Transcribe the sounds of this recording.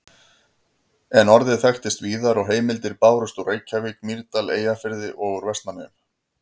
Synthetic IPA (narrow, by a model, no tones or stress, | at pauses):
ɛnɔɾðɪðθɛxt̪ɪst̪viːðaɾɔɣɦeːjmɪlt̪ɪɾpaːwɾʏst̪ureːjcʰavɪk̚miɾt̪alḛːjafɪɾðɪʔɔɣʏɾvɛst̪nanɪm